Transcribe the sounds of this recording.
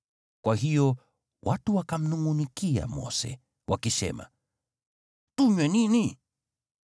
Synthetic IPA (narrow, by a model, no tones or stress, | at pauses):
kwaɦijɔ | wʔatuwakam̩nuŋɡunikia̰mɔ̰sɛ̰ | wʔakisɛ̰ma̰ | tuɲwɛnini